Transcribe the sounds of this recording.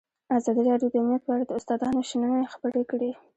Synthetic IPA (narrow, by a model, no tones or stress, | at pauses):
azɑd̪iɾɑɖjod̪əʊmnjat̪̚pəaɽad̪əʊst̪ɑd̪ɑnoʃanənajaxḁpəɾekɽi